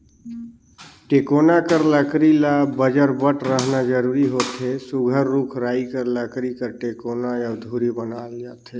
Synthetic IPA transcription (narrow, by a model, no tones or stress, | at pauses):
ʈekonakəɾləkɾilabəd͡ʒəɾbəʈʰɾəɦnad͡ʒəɾuɾiɦot̪ɦesuɡʱəɾːukʰɾaːikəɾləkɾikəɾʈekonajəwd̪ʱuɾibənaːld͡ʒat̪ʰe